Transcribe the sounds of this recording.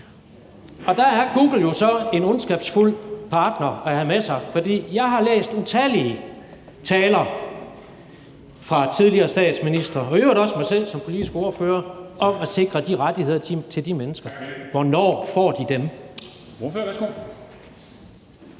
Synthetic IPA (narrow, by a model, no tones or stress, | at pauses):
ɒ̽d̥ææɐɡ̥uːɡ̥l̩jo̝sɒ̽e̝nɔnsɡ̥ɛb̥sful̰pʰɑ̈ːd̥nɐæɦæmesɑ̈ɪfɒ̽d̥ḭːjɑ̈ɪɦɑ̈lḛːsd̥ut͡sʰæliə | t͡sʰɛːlɐ | fʁɑ̈t͡sʰið̞ˠliɐːsd̥ɛ̰ːd̥sminisd̥ʁɐɒ̽øeʊɾˠɒ̽smɑ̈ɪsel̰sɒ̽mpʰo̝lid̥isɡ̥əo̝ːɐføːɐʔɒ̽mæse̝ɡ̥ʁɐd̥iʁad̥ihe̝ð̞̰ˠɐit͡sʰe̝ld̥imenəsɡ̥ɐʋɒnɒ̰ːfɒ̰ːd̥id̥em | oføsɡ̥o̰